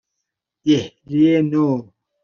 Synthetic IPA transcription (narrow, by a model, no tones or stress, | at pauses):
ehlieno